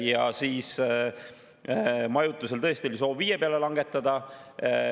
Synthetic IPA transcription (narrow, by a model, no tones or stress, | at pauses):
jɑsiːs | mɑjut̪ːˑuse̞lt̪ɤ̞est̪iolis̬o̞ːvːiːjepeɑle̞lɑŋɡe̞t̪ːˑɑd̪̥ɑ